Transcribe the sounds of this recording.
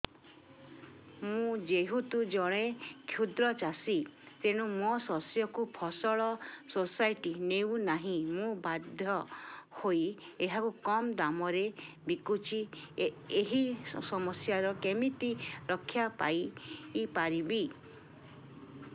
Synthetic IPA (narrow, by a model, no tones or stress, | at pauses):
mũd͡ʒeɦut̪ud͡ʒɔɽ̃ekʰjud̪ɾɔt͡ʃasit̪eɽ̃ũmɔsɔsjɔkupʰɔsɔɭɔsosajʈinewnaɦĩmũbad̪ʱjɔhoj | eɦakukɔmd̪amɔɾe | bikut͡ʃʰi | eɦisɔmɔsjaɾɔkemit̪iɾɔkʰːjapa̰iːpaɾibi